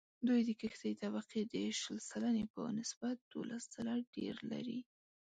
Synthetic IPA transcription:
d̪ujd̪əkəxt̪ajt̪aβaqid̪əʃəlsalanepə̰nɪsb̥at̪̚d̪̥olʔasz̥alaɖḛɾla̰ɾi

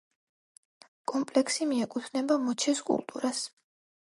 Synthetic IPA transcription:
kʼɔmpʼlɛksimiɛkʼut̪ʰnɛbamɔt͡ʃʰɛskʼṵlˠt̪ʼṵɾas

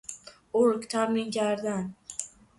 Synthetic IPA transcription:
oɾkt̪ʰaminɡʲaɾd̪an

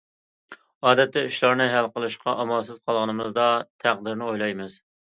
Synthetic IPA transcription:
ɑːd̪ɛt̪ːɪyʃlˠɑɾnɨɦælqəlˠɨʃqʰɑʔɑmɑlˠsɨz̥qʰɑlˠʁɨnɨmɨzd̪ɑt̪ʰæq̚d̪ɪɾnɪojlˠɑjmɨz̥

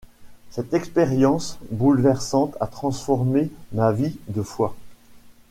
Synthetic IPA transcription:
sɛt̪ɛkspeʁjɑ̃sbulvɛʁsɑ̃t̪ʰat̪χɑ̃sfɔʁmemavid̪əfwa

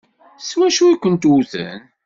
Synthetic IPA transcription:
swæʃuikʷənt̪uθə̰n

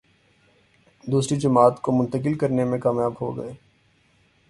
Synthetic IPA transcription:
d̪uːsɾid͡ʒɐmaːt̪komʊ̃nt̪əkɪlkɐɾnemẽkaːmjaːbɦo̰ɡɐ̰eː

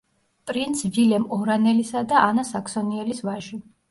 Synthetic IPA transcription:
pʼɾint̪svilɛmɔɾanɛlisad̪aʔanasaksɔniɛlisvaʒi

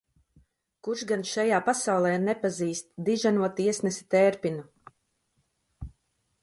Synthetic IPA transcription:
kuɾʃɡanʃajaːpasawlˠɛːnɛpaziːst̪̚d̪iʒanuɔt̪iɛsnɛsi̥t̪ɛːɾpinu

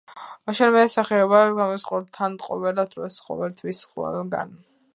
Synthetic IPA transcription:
aʃɛnmɛːsaχɛɔbaɡamɔsqʼwɔt̪ʰanʼqʼɔvɛlad̪ɾɔsqʼɔ̰wɛlt̪ʰwisχwɛ̰lˠɡa̰n

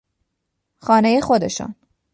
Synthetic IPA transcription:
xɒːnejexo̞d̪e̞̰ʃṵn

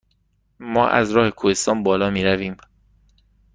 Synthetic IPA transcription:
mɒːʔæ̰zɾɒːhe̞kʰuhe̞st̪ɒːnbɒːlɒːmiːɾæviːm

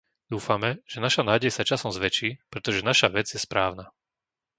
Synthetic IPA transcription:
d̪̥uːfamɛʒ̥ɛnaʃanaːɟɛjsat͡ʃasɔmzʋɛt͡ʃiːpɾɛt̪ɔʒɛnaʃaʋɛd͡zjɛspɾaːʊna

